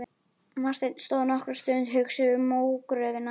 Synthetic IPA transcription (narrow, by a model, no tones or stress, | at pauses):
vast̪ɛt̪st̪oːðnɔhkɾʏɾst̪ʏnt̪ɦʏksʏʏɾmoːwkɾœːvɪna